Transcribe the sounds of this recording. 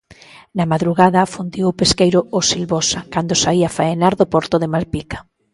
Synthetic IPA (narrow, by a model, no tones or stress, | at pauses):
nɐmaðɾuɣaðɐfund̪iwpeskejɾʊosilβɔsakand̪ʊsaiafaenaɾðʊpɔɾt̪ʊðɪmalpikḁ